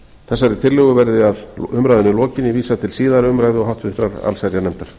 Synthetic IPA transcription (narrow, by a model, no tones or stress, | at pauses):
θɛsːaɾɪt̪ʰɪɾlʏɣʏvɛɾðɪaðʏmɾajðʏnɪlɔːcɪnːɪviːsat̪ʰɪlsiːðaɾʏmɾaːjðɪɔɦawht̪vʏht̪ɾaɾa̰lsɛɾjanɛmt̪aɾ̥